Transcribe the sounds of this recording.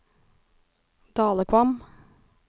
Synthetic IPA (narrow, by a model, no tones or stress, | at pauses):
d̪̥ɑːləkʰʋɑm